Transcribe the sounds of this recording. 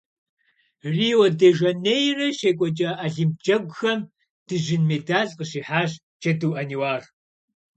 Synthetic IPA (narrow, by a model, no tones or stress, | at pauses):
riːwɔdeːʒɐneːjrɐʃeːkʷʼɔt͡ʃʼɐʔaɮimt͡ʃʼɐɡʷʊxɐm | d̥ɨʒɪnmeːdaːɮqəɕiːħaːɕ | t͡ʃʰʼɐduwʔɐniwaːr